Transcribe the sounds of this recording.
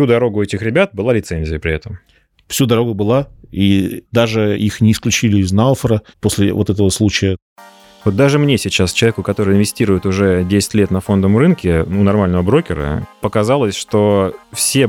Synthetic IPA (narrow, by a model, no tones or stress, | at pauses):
sʲud̪ɐɾo̞ɡʊɛtʲɪxɾʲɪbʲat̪̚bɨlˠalʲɪt̪sɛnʲzʲɪjəpɾʲɪɛt̪əm | fsʲud̪ɐɾo̞ɡʊbɨlˠaid̪aʐɨixnʲɪːsklʲʉt͡ɕilʲɪːznalˠfəɾəpo̞sʲlʲɪvo̞t̪ɛt̪əvəslˠut͡ɕɪjə | vot̪̚d̪aʐɨmnʲesʲɪt͡ɕast͡ɕɪlˠɐvʲekʊkɐt̪o̞ɾɨjɪnvʲɪsʲtʲiɾʊjɪt̪ʊʐɛdʲesʲɪ̥tʲlʲe̞t̪nɐfo̞nd̪əmrɨnkʲɪnunɐrmalʲnəvəbɾo̞kʲɪɾə̰pəkɐzalˠəsʲʂt̪ofsʲe